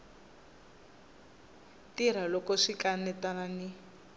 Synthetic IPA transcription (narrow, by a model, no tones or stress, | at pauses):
tiɾ̤alɔkɔʂikanɛtanani